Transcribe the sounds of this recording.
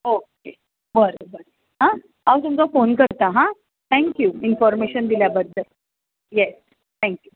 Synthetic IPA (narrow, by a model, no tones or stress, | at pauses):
oke | ʋəɾbəɾ | ɦã | aʋt̪umt͡safonkəɾt̪aɦã | t̪ʰɛ̃ŋkjuinfɔɾmeɕənd̪iljabəd̪ʱːəl | jɛs | t̪ʰɛ̃ŋkju